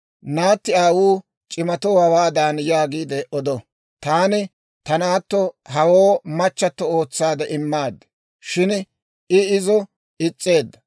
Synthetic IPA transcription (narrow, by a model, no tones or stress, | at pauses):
naːt̪ːɪaːwuː | t͡ʃʼɪmɐt̪oːhɐwaːd̪aːnjaːɡiːd̪ɛʔɔd̪ɔ | t̪aːnɪ | t̪ɐnaːt̪ːɔɦɐwoːmɐt͡ʃːɐt̪ːɔo̞ːt͡sːaːd̪ɛʔɪmːaːd̪ːɐ | ʃɪn | ɪɪzɔ | ɪt͡sʼːe̞ːd̪ːɐ